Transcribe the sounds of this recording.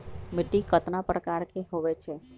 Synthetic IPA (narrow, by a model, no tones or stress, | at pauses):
mɪʈːikət̪napɾʔəkaɾkeɦoʋet͡ʃʰe